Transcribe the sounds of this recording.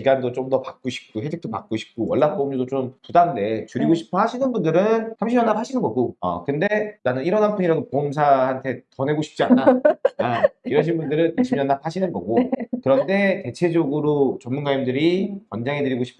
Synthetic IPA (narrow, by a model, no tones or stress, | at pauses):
iɡandot͡ɕ͈omdʌpak̚k͈oɕʰi̥p̚k͈oɦed͡ʑikt͈ʰopak͈oɕʰi̥p̚k͈owʌɭːap̚k͈omɲʌdot͡ɕompudande̞t͡ɕuɾiɡoɕʰi̥pʰʌhaɕʰinɯnbundɯɾɯnsamɕʰimjʌnːaphaɕʰinɯnɡʌɡoʌ̰kɯnde̞nanɯniɾʌnɦapʰɯɲiɾaɡopomsʰahantʰe̞tʌne̞ɡoɕʰi̥p̚t͡ɕ͈ianːaaiɾʌɕʰinbundɯɾɯneɕʰimjʌnːap̚haɕʰinɯnɡʌɡokɯɾʌnde̞te̞t͡ɕʰe̞d͡ʑʌɡɯɾot͡ɕʌmunɡaimdɯɾikʌnd͡ʑaŋɦe̞dɯɾiɡoɕʰi̥pʰ